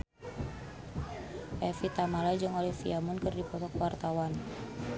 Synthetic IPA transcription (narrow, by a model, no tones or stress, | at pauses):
ʔɛfit̪amalad͡ʒəŋolɛfiamunkərdipɔt̪ɔkwart̪awan